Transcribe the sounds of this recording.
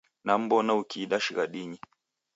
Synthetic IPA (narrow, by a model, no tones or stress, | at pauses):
nam̩bɔnaukiːɗaʃiɣaɗiɲi